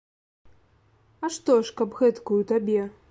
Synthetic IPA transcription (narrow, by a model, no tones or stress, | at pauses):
ɐʂt̪ɔʂkɐpɣɛt̪kujut̪abʲɛ